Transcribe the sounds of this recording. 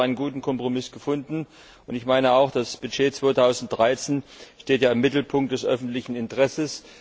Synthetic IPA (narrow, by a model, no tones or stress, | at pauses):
aɪnənɡuːtn̩kʰɔmpʁ̥omɪsɡ̥əfʊndn̩ | ʊntɪçmaɪnəaʊxd̥asb̥ʏd͡ʒeːt͡sv̥oːtʰaʊzn̩t̚d̥ʁaɪt͡seːnʃteːtjaːɪmːɪtl̩pʰʊŋkt̚d̥ɛsʔœfn̩tlɪçn̩ɪntəʁɛsəs